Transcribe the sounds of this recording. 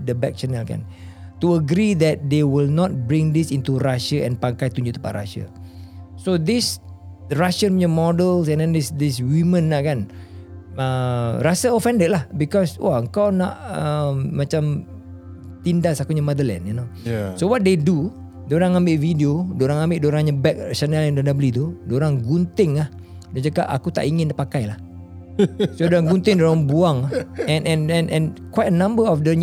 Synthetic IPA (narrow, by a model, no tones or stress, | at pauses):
dəbɛ̰k̚t͡ʃɛnɛlkã̰n | t̪uəɡɾid̪ɛt̚d̪ewilnɔt̪̚bɾĩŋd̪isint̪uɾaʃəɛ̰̃npaŋkajt̪ũɲd͡ʒuʔt̪ə̥pa̰ʔra̰ʃə̰ | sod̪is | dəɹaʃə̃nwiɲəmɔdəls̬ɛ̃ndɛ̃ndisdiswimə̃nːaʔkan | ərasəofɛ̃ndət̚lahbikɔswʔa̰əŋkawna̰ʔəmːãt͡ʃãm | t̪indasakuɲamadəlɛ̰̃ninosowɔt̪̚dedu | doɾaŋãmbɪʔvidiodoɾaŋãmbeʔdoɾaŋɲabɛk̚t͡ʃanɛlɛndɔndabəlit̪udoɾaŋɡunt̪ɪŋlah | dad͡ʒakaʔa̰kut̪a̰ʔiŋɪ̃ndaʔpakajlah | sodoɾaŋɡunt̪ɪŋdoɾaŋbuaŋahɛ̃nʔɛ̃nɛ̃nʔɛ̃nkwajt̚ənãmbəɔfdəɲ